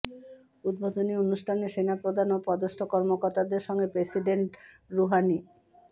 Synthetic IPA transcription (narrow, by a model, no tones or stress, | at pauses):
ud̪̚bod̪ʱonionuʃʈʰaneʃenapɾod̪ʱanopɔd̪oʃʈʰokɔɾmokoɾt̪ad̪eɾʃɔŋɡepɾesiɖeɳʈ | ɾuɦani